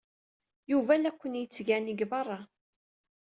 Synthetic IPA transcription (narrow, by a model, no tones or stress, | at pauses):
juvælækʷːənjət͡sːʝæniɡvɑrˤːɑ